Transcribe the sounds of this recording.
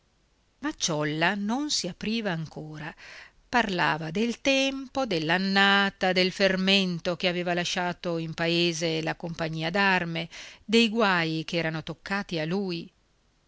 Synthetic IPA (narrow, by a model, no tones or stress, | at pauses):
mat͡ʃːɔlːanonsiapɾiːvaːŋkʰoːɾa | parla̰ːvad̪elt̪ɛmpod̪elːanːaːt̪ad̪elferment̪okeaveːvalaʃːaːt̪oimpaeːzelakompaɲːiːad̪armed̪ejɡwajkeɛːɾanot̪okʰːaːt̪ialuːj